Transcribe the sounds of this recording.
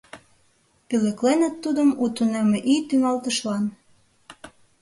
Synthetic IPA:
pylĕklenə̆t̪ːud̪əmut̪unemeʔit̪yŋɑlt̪ə̆ʃlɑn

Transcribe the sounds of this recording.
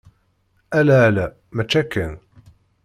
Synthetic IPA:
ʔælæːlæ | mæt͡ʃːækːæn

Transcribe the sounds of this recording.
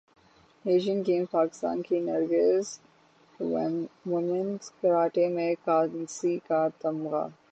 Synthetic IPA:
neːʃənkẽːmpaːkɪ̥st̪a̰ːnkinɐɾɡəz | ʋomənskɐɾaːʈemẽkaːnsikaːt̪ɐmɣa̰ː

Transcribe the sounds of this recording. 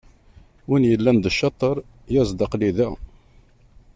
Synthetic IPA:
winjəlːænd̪əʃːɑt̪ˤəɾˤ | jæzˤd̪ɑqliðæ

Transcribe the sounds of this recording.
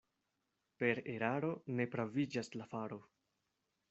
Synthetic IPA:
pe̞ɾe̞ɾaɾo̞ne̞pɾavid͡ʒaslafaɾo̞

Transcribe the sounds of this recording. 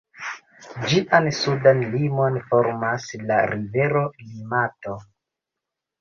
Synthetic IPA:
d͡ʒiʔansudanlimo̞nfo̞ɾmasla̰ɾive̞ɾo̞limato̞

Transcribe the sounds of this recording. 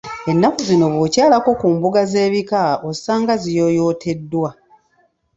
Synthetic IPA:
e̞nːakuzino̞βocaːlako̞kuːmbuɡaze̞ːβikaosaːŋɡazijo̞ːjo̞ːtʰe̞dːwa

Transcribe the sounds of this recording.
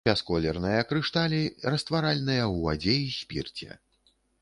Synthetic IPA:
bʲaskɔlʲɛrnɨjɐkɾɨʂt̪alʲirɐst̪vaɾalʲnɨjɐwvad͡zʲejisʲpʲḭrt͡sʲɛ̰

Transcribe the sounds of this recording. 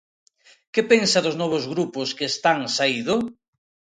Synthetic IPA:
kepeŋsaðʊznɔβozɣɾupʊskeːst̪aŋsaiðʊ

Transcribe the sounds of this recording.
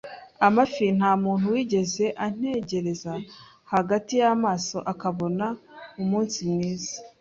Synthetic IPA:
amafin̥haːmuːn̥huwiːɟe̞ze̞ʔan̥e̞ɟe̞ɾe̞za | haɡatijamaːso̞̰ʔakaβo̞naumuːnsimniːzḁ

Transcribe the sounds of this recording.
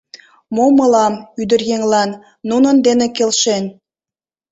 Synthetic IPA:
momɤlɑmyd̪ərjeŋlɑnː | unənd̪enekelʃen

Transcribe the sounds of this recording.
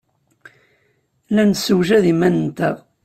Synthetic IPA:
lænsəwʒæðimænənt̪æ

